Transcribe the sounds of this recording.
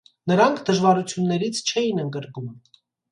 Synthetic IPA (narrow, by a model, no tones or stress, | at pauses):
nəɾɑŋkʰd̪əʒvɑɾut͡sʰjunːɛɾit͡sʰt͡ʃʰɛjinəŋɡəɾɡum